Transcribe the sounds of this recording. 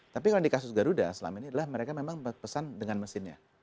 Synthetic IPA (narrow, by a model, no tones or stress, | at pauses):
t̪ap̬ikaladikasʊsɡaɾuda̰səla̰mainiadalahməɾekamemaŋbəpəsandəŋanməsɪnɲa̰